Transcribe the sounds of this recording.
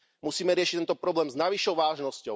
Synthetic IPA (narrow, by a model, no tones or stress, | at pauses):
musiːmɛɾɪɛʃic̚t̪ɛnt̪ɔpɾɔblɛːmznaʋiʃɔʊʋaːʒnɔscɔʊ